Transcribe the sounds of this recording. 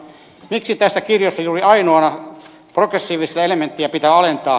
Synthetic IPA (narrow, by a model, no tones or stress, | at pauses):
miksit̪æsːækirjosːɑjuːriɑinoɑnɑ | prokresːiːʋissɑelement̪ːiɑpit̪æːɑlent̪ɑː